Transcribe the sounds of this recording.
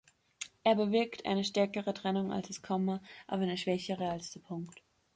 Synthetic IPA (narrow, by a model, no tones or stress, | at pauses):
ʔeːɐbəvɪɐktʰʔa̰ɪnəʃtɛɐkəʁətʁ̥ɛnʊŋa̰lsd̥askʰɔmɐʔa̰ːbɐdɛʃv̥ɛçəʁəalsd̥epʰʊŋkt